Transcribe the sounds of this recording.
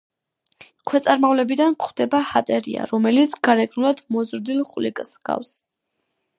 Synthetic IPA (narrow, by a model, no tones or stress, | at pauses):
kʰwɛt̪sʼaɾmavlɛbid̪ankʰχwd̪ɛbahat̪ʼɛɾḭa̰ɾɔmɛlit̪sʰɡ̥aɾɛɡʼnulˠad̪mɔzɾd̪ilˠχʼlḭkʼsɡ̥a̰fs